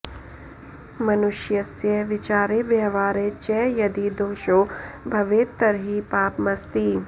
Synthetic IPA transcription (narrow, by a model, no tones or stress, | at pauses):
mɐnʊʃjɐsjəʋɪt͡ʃaːɾeʋjɛːʋaːɾet͡ʃɛːjɐd̪id̪oːʃoːbʱɐʋeːt̪ːɐɾɦipaːpmɐst̪iː